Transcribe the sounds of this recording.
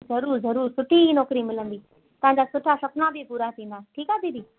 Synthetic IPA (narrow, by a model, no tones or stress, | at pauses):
zɐɾuːɾzɐɾuːɾsʊʈʰinɔːkɾimɪlə̃nd̪iː | t̪ɐʋ̤ãɲd͡ʑaːsʊʈʰasɐknãbɪpuːɾat̪ʰĩːnd̪aʈʰiːkaːt̪ĩd̪iː